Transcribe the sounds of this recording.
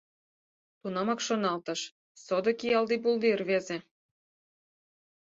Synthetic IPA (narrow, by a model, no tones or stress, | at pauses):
t̪unɑmɑkʃonɑlt̪ə̆ʃ | sod̪ɤ̆kijɑlˠd̪ibulˠd̪irβeze